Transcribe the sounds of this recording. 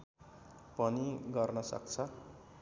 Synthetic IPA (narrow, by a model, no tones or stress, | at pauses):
pʌniɡʌrnʌsʌ̰kt͡sʰʌ